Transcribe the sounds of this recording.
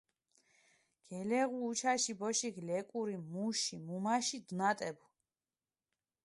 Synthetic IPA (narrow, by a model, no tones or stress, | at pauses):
ɡ̥ɛlɛʁuːt͡ʃʰaʃibɔʃiɡlɛkʼuɾimuʃimumaʃid̪unat̪ʼɛbu